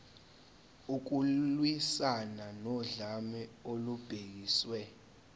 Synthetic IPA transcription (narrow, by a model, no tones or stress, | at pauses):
uk̬ulwisananɔɮamɛolub̥ʱek̬iːswɛ